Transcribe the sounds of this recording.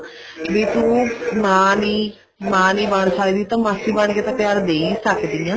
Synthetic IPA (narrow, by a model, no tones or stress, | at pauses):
ʋiːt̪ũːmãːniː | mãːniːbəɳsaːid̪iːt̪ãːmasiːbəɳkeːt̪ãːpɪjaːɾd̪eːisəkd̪iːãː